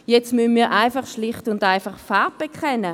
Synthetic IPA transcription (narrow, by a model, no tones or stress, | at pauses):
jɛt͡stmynmiːɐʔaɪfaχʃlɪχtʊndaɪfaχfaɐb̚b̥ɛkχɛnə